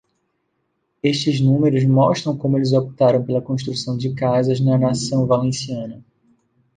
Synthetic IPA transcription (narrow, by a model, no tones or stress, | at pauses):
eʃt͡ʃɪznũmeɾʊzmɔʃt̪ɾɐ̃w̃kõmʊelɪzopi̥t̪aɾɐ̃w̃pelɐkõʃt̪ɾusɐ̃w̃d͡ʒɪkazɐznɐnasɐ̃w̃valẽsiɐ̃nɐ